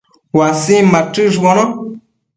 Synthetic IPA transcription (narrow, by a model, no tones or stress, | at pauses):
wasĩmatɨʒɔnɔ̃